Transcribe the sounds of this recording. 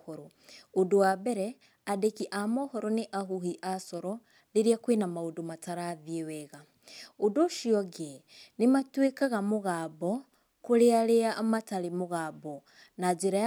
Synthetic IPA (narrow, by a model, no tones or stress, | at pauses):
oɾo | odowabɛɾɛ | adekiʔamɔhɔɾɔneʔaɦuhiʔasɔɾɔ | ɾeɾiakwenamaodomataɾaðiewɛɣa | odoʃiɔɡe | nematwekaɣamoɣabɔ | koɾeaɾeamataɾemoɣaːbɔ | nad͡ʒeɾaja